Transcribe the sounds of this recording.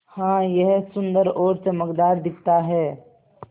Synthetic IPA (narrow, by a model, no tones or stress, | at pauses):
hãːjɛɦsʊ̃nd̪əɾoːɾseməkd̪aːɾd̪ɪk̚ʰt̪aɦɛː